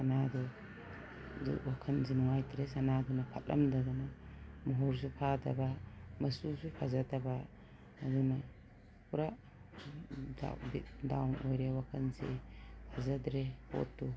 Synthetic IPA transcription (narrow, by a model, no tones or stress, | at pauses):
sanadɔ | dṵwakʰɐnsinɔŋajtʰɾesanadɔnapʰa̰tlɐ̰mdadunamɔɦɔɾs̬upʰadabamɐsusupʰazatabaː | duna | puɾa | da̰bidawnojɾewakʰɐnsepʰazadɾeho̰tːu